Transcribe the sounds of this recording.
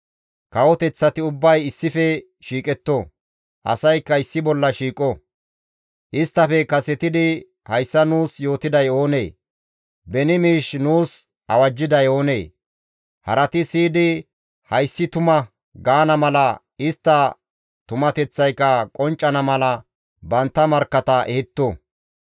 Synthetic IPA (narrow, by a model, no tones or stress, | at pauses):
kɐwɔt̪ɛt͡sːɐt̪ɪʊbːɐjɪsːɪfɛ | ʃiːkʼɛt̪ːɔ | ʔɐ̰sɐjkːɐɪsːɪbɔlːɐʃiːkʼɔ | ʔɪst̪ːɐfɛkɐsɛt̪ɪd̪ɪ | hɐjsːɐnuːsjo̞ːt̪ɪd̪ɐjo̞ːne̞̰ː | bɛnɪmiːʃnuːs | ʔɐwɐd͡ʒːɪd̪ɐjo̞ːne̞ː | hɐ̰ɾɐt̪ɪsiːd̪ɪ | hɐjsːɪt̪ʊmɐ | ɡaːnɐmɐlɐ | ɪst̪ːɐ | t̪ʊmɐt̪ɛt͡sːɐjkːɐkʼɔnt͡ʃʼːɐnɐmɐlɐ | bɐnt̪ːɐmɐɾkːɐt̪ɐʔɛhɪt̪ːɔ